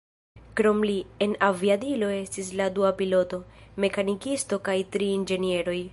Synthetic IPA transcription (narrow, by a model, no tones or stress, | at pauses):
kɾo̞mlie̞naviadilo̞e̞stis̬laduapilo̞to̞me̞kanikisto̞kajtɾiind͡ʒe̞nie̞ɾo̞j